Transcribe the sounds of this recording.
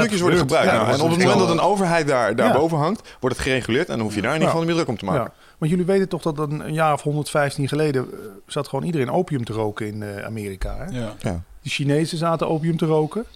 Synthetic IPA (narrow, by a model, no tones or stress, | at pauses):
tɵkjəsʋɔɹdχəbrœkɛnɔpət̚momɛndɔtənowvəɹɦɛjt̚daːɹdaːɹbowvənɦɑŋkt | ʋɔɹdɑtχərejχylɪːɹtɛ̰ndnufjədaːɹnifɑndəmɪdrɵkɔmtəma̰ːk | ʋɑntjøliʋejtəntɔχdɔtənə̰njaːrɔfɦɔndətfɛjftinχəlejdəz̥atχəʋoːnidərẽnowpijəmtərowkəɪna̰ːmɪːrika̰ɦɛ | dəʃinejzəzaːtəʔowpijəmtərowkə